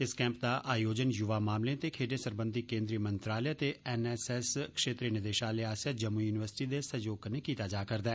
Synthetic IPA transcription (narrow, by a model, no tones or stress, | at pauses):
ɪskɛ̃ːmp̚d̪aːʔaːjoːd͡ʒənjʊʋaːmaːmlẽt̪eːkʰeːɖẽːsəɾbənd̪iːkẽːnd̪ɾiːəmənt̪ɾaːlet̪eːɛːnɛːsɛːskʃeːt̪ɾiːnɪd̪eːʃaːleːaːsaːd͡ʒəmːujuːnɪʋəɾsɪ̥ʈiːd̪eːsəjoːɡneːkiːt̪aːd͡ʒaːkəɾd̪ɛː